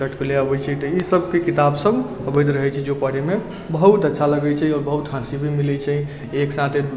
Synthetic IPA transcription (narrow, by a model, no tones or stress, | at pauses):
əʈʰkeleəbət͡ʃʰɛt̪ɔisəb̚kekit̪absəbəbed̪ɾəɦɛt͡ʃʰɛd͡ʒopəɽeme | bəɦut̪ətːʃʰaləɡɛt͡ʃʰɛiɔːɾbəɦut̪ɦãsibʱimilɛt͡ʃʰɛi | eksãt̪ʰe